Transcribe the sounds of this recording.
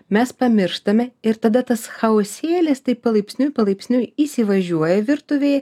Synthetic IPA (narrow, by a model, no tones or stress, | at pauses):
mʲɛspɐmʲɪɾʃt̪ɐmʲɛɪɾt̪ɐd̪ɐt̪ɐsxɐoːsʲeːlʲɪst̪ɐɪpɐlˠɐɪpʲsʲnʲʊjpɐlˠɐɪpʲsʲnʲʊjisʲɪʋɐʒʲuɔjɛʋʲɪɾt̪ʊʋʲeːj